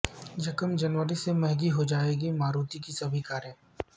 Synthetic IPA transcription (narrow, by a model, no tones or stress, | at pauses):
d͡ʒɐkəmd͡ʒɐnʋəɾisemɛɦɡiɦod͡ʒaːeːɡimaːɾuːt̪ikisɐbʱikaːɾjə̃